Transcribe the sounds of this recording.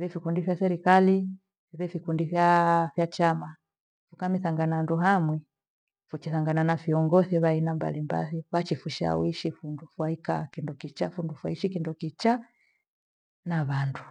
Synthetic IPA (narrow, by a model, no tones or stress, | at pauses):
βɛfikundifjasɛɾikali | iβɛfikundifjafjat͡ʃama | fukamiθaŋɡananduɦamwɛ | fut͡ʃiθaŋɡananafiɔŋɡɔθɛβainamba̰limba̰liβat͡ʃifuʃa̰wiʃifundufwaikakindɔkit͡ʃafundufwaiʃikindɔkit͡ʃa | naβandu